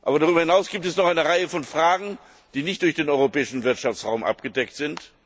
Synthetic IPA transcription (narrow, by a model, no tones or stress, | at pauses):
ʔaːbɐdaʁyːbɐhɪnaʊsɡ̥iːptɛsnɔχaɪnəʁaɪəfɔnfʁ̥aːɡŋ̩ | d̥iːnɪçt̚d̥ʊɐçd̥eːnɔʏʁopɛːɪʃn̩vɪɐtʃaft͡sʁaʊmʔa̰pɡ̥ədɛktz̥ɪnt